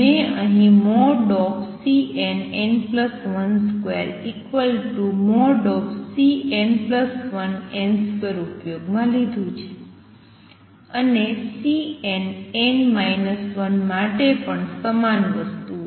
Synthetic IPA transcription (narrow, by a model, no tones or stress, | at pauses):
meəɦĩmɔɖɔpsienenpləsʋənskʋḛɾikʋəlʈumɔɖɔpsienpləsʋənenspəɾupjoɡmãlid̪ʱũt͡ʃʰe̥ | ənesienenmajnəsʋənmaʈepəɳsəmanʋəst̪u